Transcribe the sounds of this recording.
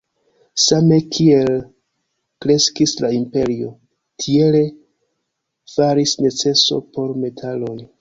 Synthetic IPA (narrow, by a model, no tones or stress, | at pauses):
same̞kʰie̞l | kɾe̞skislaimpe̞ɾio̞ | tʰie̞le̞ | faɾisne̞t͡se̞so̞̰po̞ɾme̞tʰalo̞j